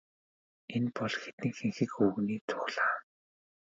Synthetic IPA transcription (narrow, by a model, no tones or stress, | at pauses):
enpɔɮxet̪ɘ̆ŋxeŋxɘ̆kxuɣniːt͡sʰʊ̥xɮaː